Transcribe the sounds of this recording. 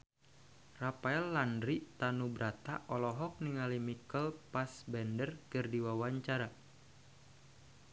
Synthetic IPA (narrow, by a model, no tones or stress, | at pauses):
rapaɛlːandɾit̪anubɾat̪a̰ʔɔlɔɦɔk̚niŋalimikəlpasbɛndərkɨrdiwawaɲt͡ʃaɾa